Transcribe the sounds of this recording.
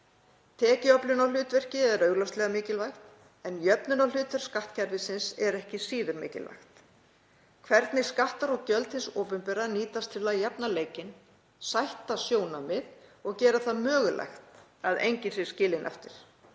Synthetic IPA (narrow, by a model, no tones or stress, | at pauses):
t̪ʰɛːcɪɔplʏnawlʏːt̪vɛr̥cɪðɛɾœɥɣlast̪lɛɣamɪːcɪlvajxt̪ | ɛnjœpnʏnawlʏːt̪vɛɾ̥skaht̪cʰɛɾvɪsɪnsɛɾɛhcɪsiːðʏɾmɪ̰ːcɪ̰lva̰jxt̪ | kʰvɛɾt̪nɪskaht̪aɾɔɣcœlt̪hɪnsoːpʏmpɛɾaniːt̪ast̪ʰɪlːajɛpnaleːjcɪn | sajht̪asjoːwnamɪðɔɣcɛːɾaθaðmœːɣʏlʔa̰jxt̪aðḛjɲcɪnsɪ̥scɪːlɪnʔɛ̰ft̪ɪɾ̥